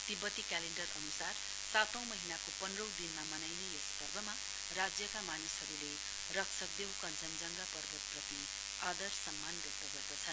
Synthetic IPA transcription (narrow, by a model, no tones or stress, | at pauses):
t̪ibːʌt̪ikaleɳɖʌrʌnusar | sat̪ʌ̃w̃mʌɦinakopʌnrʌwd̪inmamʌnajnejʌspʌrbʱʌma | rad͡zjʌkamanishʌɾule | rʌksʰʌk̚d̪ewkʌnd͡zʌnd͡zʌŋɡapʌrbʱʌt̪̚prʌt̪i | ad̪ʌrsʌmːanɡʌrt̪ʌɡʌd̪ʌt͡sʰʌn